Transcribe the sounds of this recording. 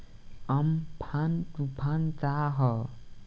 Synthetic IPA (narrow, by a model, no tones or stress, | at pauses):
ʌmpʰantupʰant͡saɦʌ